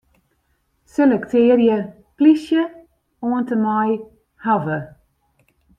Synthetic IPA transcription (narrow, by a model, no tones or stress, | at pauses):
selɛktʰɪːərjə | plisjə | oəntəmaj | havə